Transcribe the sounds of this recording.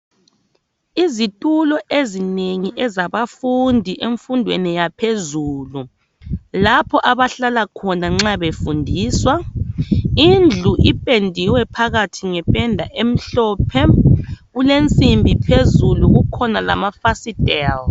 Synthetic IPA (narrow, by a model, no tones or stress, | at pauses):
izitʼulɔʔezineŋiʔɛzaβafundʱiʔeɱfundʱwḛnijapʰezuːlu | lapʰɔʔaβaɬalakʰɔnaŋ͡ǁaβefundʱiːswa | ind͡ɮʱuʔipʼendʱiwɛpʰaɣatʰiŋɛpʼɛndʱaʔem̩ɬɔːpʰɛɣulent͡sʼimbʱipʰezuluɣukʰɔnala̰mafasidɛl